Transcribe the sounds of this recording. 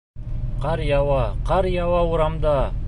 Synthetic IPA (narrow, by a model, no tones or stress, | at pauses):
qʰɑɾjɑwɑqʰɑɾjɑwɑuɾɑmd̪ɑ